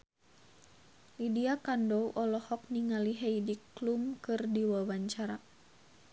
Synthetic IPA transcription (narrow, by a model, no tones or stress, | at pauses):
lidiakandɔwʔɔlɔhɔk̚niŋaliɦɛidiklumkɨrdiwawaɲt͡ʃaɾa